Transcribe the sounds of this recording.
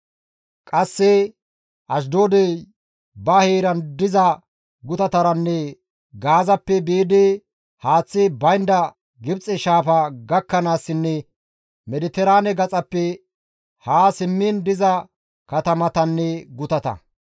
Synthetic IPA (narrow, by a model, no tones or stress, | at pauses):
kʼɐsːɛ | ɐʃ̬d̪oːd̪e | bɐheːɾɐnd̪ɪzɐ | ɡʊt̪ɐt̪ɐɾɐnːɛ | ɡaːzɐpːɛbeːd̪eː | haːt͡sːɪbɐjnd̪ɐ | ɡɪbt͡sʼɛʃaːfɐɡɐkːɐnaːsːɪnːɛ | mɛd̪ɪt̪ɛɾaːnɛɡɐt͡sʼɐpːɛ | haːsɪmːind̪ɪzɐ | kɐt̪ɐmɐt̪ɐnːɛɡʊt̪ɐt̪ɐ̰